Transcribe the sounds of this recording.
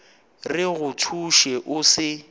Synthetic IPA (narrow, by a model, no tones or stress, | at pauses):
rɪɣʊtʰuʃɛʔʊsɪ